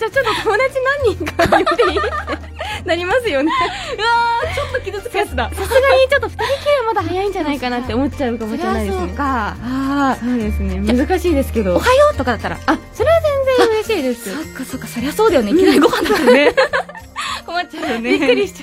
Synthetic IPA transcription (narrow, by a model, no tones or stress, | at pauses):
d͡ʑaːt͡ɕo̞t̪ːo̞t̪omod̪at͡ɕinãɲ̟ːĩŋkajot̪eit̪e | naɾʲimasɨjo̞neɯat͡ɕot̪ːo̞kʲid̪ɨsɨ̥kɯjat͡sɨd̪asosɨɡaɲʲit͡ɕo̞t̪ːoɸɯ̥t̪aɾʲikʲiβamad̪aɦajaĩɲ̟d͡ʑanaikanat̪ːe̞omo̞tt͡ɕaɯ̟kamoɕnaid̪eoɨkaasoːd̪e̞sɨne̞mɯ̟zɨkaɕiːd̪e̞sɨ̥ke̞d̪o̞ohajot̪o̞kad̪at̪ːaɾa̰aso̞ɾe̞βazẽ̞nzẽ̞ɯ̟ɾe̞ɕiːd̪e̞sɨsokːasoːkːasoɾasoːd̪esoneikʲinaiɡohãnd̪sne | ko̞matːt͡ɕaɯonʲiɯɾʲiɕi̥t͡ɕ